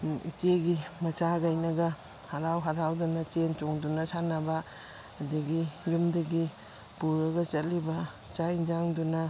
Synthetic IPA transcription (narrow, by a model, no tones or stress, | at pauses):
ḭteɡimɐt͡ʃaɡajnɐɡɐ | haɾawɦaɾawdunɐt͡ʃent͡ʃoŋdunɐsanɐbaː | diɡijumdɐɡi | puɾɐɡɐt͡ʃɐtlibɐ | t͡ʃajd͡ʒaŋdunɐ